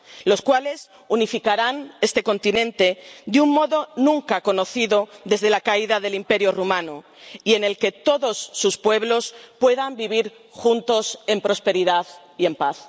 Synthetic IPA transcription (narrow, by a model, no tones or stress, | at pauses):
lo̞skwale̞s | unifikaɾane̞st̪e̞ko̞nt̪inẽ̞nt̪e̞d̪eummo̞ðo̞nũŋkako̞no̞θiðo̞ðe̞zðe̞lakaiðaðe̞limpe̞ɾjorumãno | ie̞ne̞lke̞t̪o̞ðo̞sːuspwe̞β̞lo̞spwe̞ðambiβ̞iɾ | xunt̪o̞se̞mpɾo̞spe̞ɾiðað | ie̞mpaθ